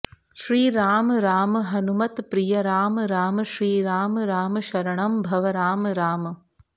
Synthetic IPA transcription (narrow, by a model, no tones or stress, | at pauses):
ʃɾiːɾaːmɾaːmɦɐnumɐt̪pɾijɐɾaːmɾaːmʃɾiːɾaːmɾaːmʃɐɾɐɳɐmbʱɐʋɐɾaːmɾaːm